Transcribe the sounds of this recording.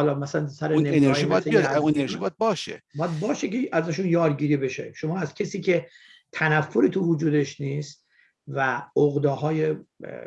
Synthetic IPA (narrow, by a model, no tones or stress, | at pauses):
ɒlɒːmæsælænsæɾeneeneɾːimɔjæsijueɾʒibɒjad̪̚bɒːʃḛbɒjæd̪̚bɒːʃeceʔæzæʃ̬uːnjɒːɾɟiːɾibe̞ʃḛʃomɒːæzcʰesiːcʰe̞ | t̪ʰænæfːoɾiːt̪ʰuvud͡ʒuːd̪eʃniːst̪̚ | væoɣd̪ɒːɦɒːje